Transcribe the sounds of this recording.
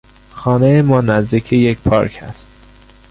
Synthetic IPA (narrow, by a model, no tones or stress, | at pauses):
xɒːnejemɒːnæzd̪iːkʰejecpʰɒːɾkʰæ̰st̪̚